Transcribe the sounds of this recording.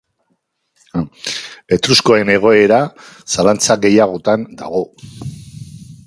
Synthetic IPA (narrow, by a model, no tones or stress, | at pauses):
e̞t̪ɾuskoe̞ne̞ɣ̞o̞e̞ɾasalant͡saɣe̞jaɣo̞t̪and̪a̰ɣ̞o̞